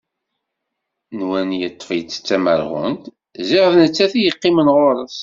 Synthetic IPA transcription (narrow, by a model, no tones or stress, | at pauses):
nwænjət̪ˤːfjt͡sːt͡sːæməɾʁə̰nt̪ | ziʁəðnət͡sːæθijəqːimənʁoɾˤəs